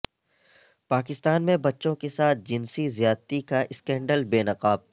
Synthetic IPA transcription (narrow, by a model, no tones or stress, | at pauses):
paːkɪst̪aːnmẽbɐtːʃõkesaːt̪̚ʰd͡ʒɪnsizjaːd̪t̪ikaʔɪskɛ̃ːɳɖəlbeːnɐqaːb̚